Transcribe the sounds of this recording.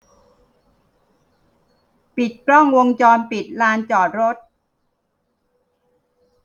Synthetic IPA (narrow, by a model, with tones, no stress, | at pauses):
pi˨˩t̪̚klɔ˥˩ŋwo˧ŋt͡ɕɔː˧npi˨˩t̪̚laː˧nt͡ɕɔː˨˩t̪̚ɾo˦˥t̪̚